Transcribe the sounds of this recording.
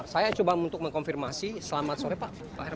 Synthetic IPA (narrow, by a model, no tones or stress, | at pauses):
sajat͡ʃobaunt̪ʊk̚məŋkonfirmasisəlamat̪̚soɾɛpaʔ | pa̰ɛr